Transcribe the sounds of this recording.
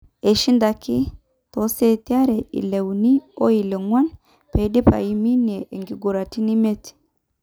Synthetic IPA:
e˨ʃi˦nda˨ki˦ | to˨se˦ti˦a˦ɾe˨ḭ˨le˨wni˦o˦i˨le˨ŋwa˦n | pe˨˦di˦pa̰˨ji˦mi˦ne˨ʔe˨ŋɡi˨ɡu˨ɾa˨ti˦ni˦me˦ti̥˨

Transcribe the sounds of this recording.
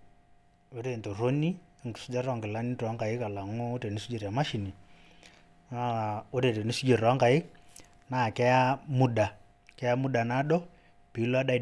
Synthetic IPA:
o˦ɾe˨nto˨ɾo˦ni˦˨ŋɡi̥˨su˦d͡ʒa˦ɾɔ˨ŋɡi˨la˦ni˦twa˦ŋɡa˨i˦ka˨la˨ŋɔ˦o˦ɾe˨ni˦su˦d͡ʒe˨ɾa˨ma˦ʃi˨ni˨ | a˦o˦ɾe˨te˨ni˦su˦d͡ʒe˨ɾwa˦ŋka˨i˦ | na˨kɛ˦ja˦mu˦ɗa˨ | kɛ˦ja˦mu˦ɗa˨na˦ɗɔ˦ | pi˨˦la˦ɗa˦˨

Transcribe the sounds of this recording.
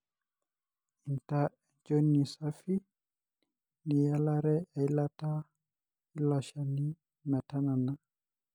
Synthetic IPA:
i˨nta˦˨d͡ʒo˦ni˨sa˦fi˦ | ni˨ja˦la˦ɾɛ˦a˨i˦la˦ta˦ | i˦lɔ˨ʃa˨ni˦ | mɛ˨ta˦na˨na˨

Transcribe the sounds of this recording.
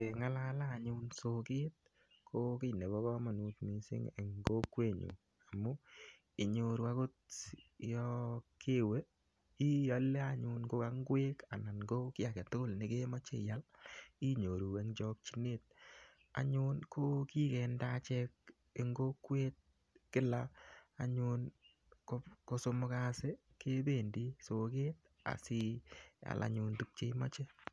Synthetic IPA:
e˨ŋa˦la˦laː˦˨ɲʊnso˨ke˦t̚ | kʰo˦ki˦˨ne˨bɔ˦kɔ˦ma˨nu˨tmi˨sɪ̰˦ŋḛ˨ŋɡo˦kːwe˦ɲṵ˨ | a˨mʊ˦ | ɪ˨ɲo˨ɾu˨a˦ko˦t | jɔ˦kʰe˦we˦ | i˦ja˦le˦a˨ɲu˨nko˦ka˦ŋɡwe˦ka̰˨na˨nɡo˦kɪ˦a˨kɛ˨tʊ˦ʊ˦lnɪ˦ke˦mɔ˦t͡ʃḛ˦˨ja˦li˦ɲo˨ɾu˨e˦ŋd͡ʒɔ˦k̚t͡ʃi˦ne˦t̚ | a̰˦ɲʊ˦nkʰo˦ki˦kɛ˨ndat͡ʃɛ˦k̚ | e˨ŋɡo˦kwe˦t̚ | kɪ˦laː˦˨ɲu˦n | koko˦so˦mʊ˦ka˦se˦ | kʰe˦be˨ndi˦so˨ke˦t̚ | a̰˨si˦a̰˨lʔa̰˨ɲʊ˧ntu˦k̚t͡ʃe˦mɔ̰˦t͡ʃe˦

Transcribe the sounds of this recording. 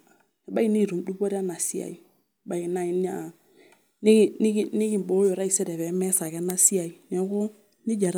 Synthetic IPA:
a˨ba˦i˦ni˦˨ɾu˨mdu˦bo˦ɾi˦a˦na˨si˦a̰˨i˨ | ba˨i˨na˦i˨n˦a̰˨ | ni˦˨ni˦ɡi˨ni˦ɡi˦˨m˨bo˨˦jo˨ɾa˦i˨sɛ˦ɾɛ˨βɛ˨˦mɛ˦sa˨ka˦na˦si˦a˨i˨nɛ˨˦ko˦ | ni˦d͡ʒa˨ɾa˦

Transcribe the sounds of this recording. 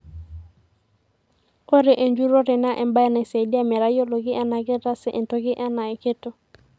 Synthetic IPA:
o˦ɾe˨ʔe˨nd͡ʒu˦ɾo˦ɾɪ˨na˦ʔɛ˨mba˦ɛ˦nɛ˨se˨di˦a˦mɛ˨ɾa˦jo˦lo˨ɡɪ˦ʔa˦na˨ɡɪ˦ɾa˦sɛ˦ʔe˨nto˦ɡɪ˦ʔa˦na˨ɪ˨ke˦to˨

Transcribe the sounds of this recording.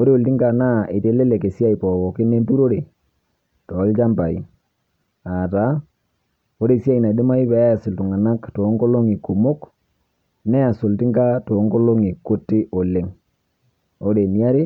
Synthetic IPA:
o˦ɾe˦o˨ltɪ˦ŋka˨na˦ʔe˨te˨˦le˦le˨ke˨sja˦i˨pɔ˨wɔ˨kɪ˦ne˦mpu˦ɾo˦ɾe˨ | tɔ˨˦lt͡ʃa˦mba˨ḭ˨ | a˨ta˨˦ | o˦ɾe˨sja˦i˨na˨de˦ma˦i˦βɛ˦a˨sɪ˨ltʊ˨ŋa˨na˦kto˨˦ŋko˦lo˦ŋi˨ku˨mo˦k | nɛ˦a˨sʊ˨ltɪ˦ŋka˦to˨˦ŋko˦lo˦ŋi˨kʊ˦tːɪ˦ʔo˨le˦ŋ | o˦ɾe˨ni˨a˦ɾi˦

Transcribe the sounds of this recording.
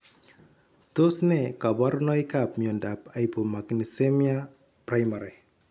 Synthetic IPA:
to˦snɛ˨ka˨bɔ˦ɾnɔ˦jka˨pmiɔ˨nda˨pa˨jpo˨ma˨kni˨se˦mia˦ | pɾa˦jma˨ɾe˨

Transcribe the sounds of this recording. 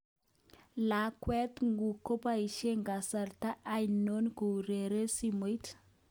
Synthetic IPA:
la˨kwɛ˦t̪ŋɡu˨ko˦pa˦i˨ʃe˦ŋɡa˨sa˨ɾta˦ʔːjno˦nku˨ɾe˨ɾe˦si˦mo˨i˦t

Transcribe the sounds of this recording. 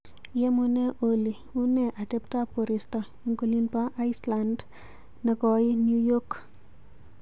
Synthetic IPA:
je˦mu˨ne˦ʔo˨li˨ | u˦ne˨ʔa˨t͡ʃe˦pta˦po˨ɾi˨stɔ˨ | i˦ŋku˦li˦npa˦ʔa˦ɪsla˨nd | ne˨kɔ˨i˦nju˦jɔ˦k

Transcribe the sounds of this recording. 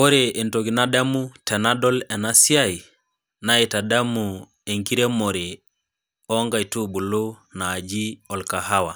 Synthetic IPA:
o˦ɾe˨e˨nto˨ɡi˨na˦da˦mu˦tɛ˨na˦dɔ˦lɛ˨na˦sja˦i˨ | na˦i˨ta˨da˦mu˨ | e˨ŋki˦ɾe˦mo˨ɾi˨ | ɔ˦ŋɡa˨i˨tu˦bu˨lu˦naː˨d͡ʒi˦ɔ˨lka˨ɦa˦wa˨

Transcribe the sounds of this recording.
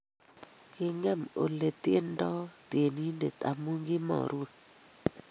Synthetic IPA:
kɪ˦ŋɛ˦˨mo˨le˨te˦ndɔ˦te˨ni˦nde˨ta̰˨mu˦ŋɡɪ˦mɔ̰˨ɾu˦˨

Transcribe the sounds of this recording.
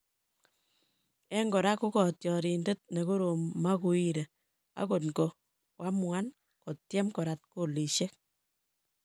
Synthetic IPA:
ɛ˦ŋɡo˨ɾa˦ku˦kɔ˨tjɔ˨ɾi˨nde˦t̚ne˨ko˦ɾo˨mːa˦ku˧i˦ɾe˨ | a̰˦ko˨tɡo˨ | wʔa˦mwa˦n | kɔ˨tjɛ˦mkɔ˨ɾa˨t̚ko˨li˨ʃe˦k̚

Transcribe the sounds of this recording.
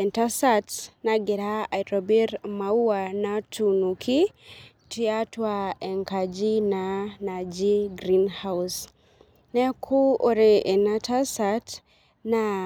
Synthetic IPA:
ɛ˨nta˦satnaɡɪ˨ɾa˦a˨jɾɔ˨bi˦ɾma˨u˦ana˦tʰu˨nu˨kʰi˦ | tia˦twa˦ɛ˨ŋka˨d͡ʒi˦nana˨d͡ʒi˦ɡɾi˦nha˦ws | nɛ˦kʰu˦o˨ɾee˨nata˦sat | na

